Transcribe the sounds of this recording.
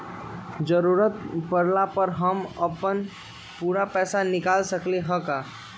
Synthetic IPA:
d͡ʒəɾuɾət̪̚pəɾlapəɾɦəməpən | puɾapɛːsanɪkalsəkleɦə̃ka

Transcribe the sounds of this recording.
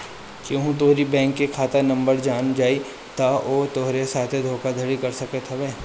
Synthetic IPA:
kõɦũt̪oɦɾibɛ̃ːŋkːekʰaːt̪anɐ̃mbəɾd͡ʒaːnd͡ʒaːi | t̪aʔoːt̪oɦɾesaːt̪ʰed̪ʱoːkad̪ʱɐɽikɐɾsɐket̪ʰɐbeː

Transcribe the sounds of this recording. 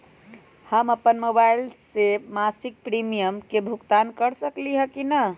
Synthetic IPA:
həməpənmobailsemasik̚pɾimijəmkebʱukt̪ankəɾsəkliɦəkinə

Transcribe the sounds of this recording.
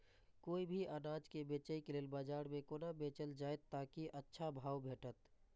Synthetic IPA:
koːibʱiʔanaːd͡ʒkebeːt͡ʃəikeleːlbaːd͡ʒaːɽmẽkoːnabeːt͡ʃəld͡ʒaːet̪ːaːkiʔətːʃʰabʱaːwbʱeːʈət̪

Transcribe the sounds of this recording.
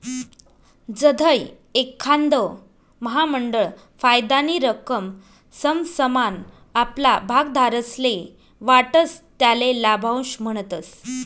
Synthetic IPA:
d͡zəd̪ʱəj | ekʰːand̪ə | məɦaməɳɖəɭ | fajd̪aniɾəkəm | səmsəman | aplabʱaɡ̚d̪ʱaɾəsle | ʋaʈəst̪jalelabʱaw̃ɕm̤əɽ̃ət̪əs

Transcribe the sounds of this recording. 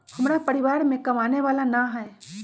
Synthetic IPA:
həmɾapəɾiʋaːɾmẽkɐmaːneʋaːlanaɦɛe

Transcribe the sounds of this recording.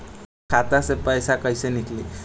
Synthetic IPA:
kʰat̪asepəjsakəjsenik̪ʰli

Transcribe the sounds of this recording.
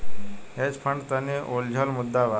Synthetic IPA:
ɦet͡spʰəɳɖt̪aneʔold͡ʑʱɔlmud̪ːaʋa

